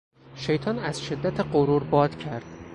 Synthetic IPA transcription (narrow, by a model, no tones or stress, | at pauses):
ʃe̞jt̪ʰɒnæz̥ʃe̞d̪ːæt̪ʰeɢoɾuɾbɒːd̪̥cʰæɾd̪̥